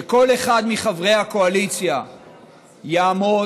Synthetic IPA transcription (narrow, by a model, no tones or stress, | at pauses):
eko̞le̞χad̪miχavʁe̞jhako̞alit͡sja | jaːmo